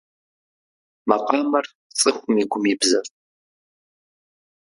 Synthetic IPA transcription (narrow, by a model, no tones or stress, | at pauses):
mɐqɑːmɐr | t͡sʼɨχʷʊmiːɡʷʊmibzɐf